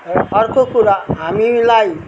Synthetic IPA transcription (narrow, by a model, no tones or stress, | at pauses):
ɔɾkʰokuɾaamilaj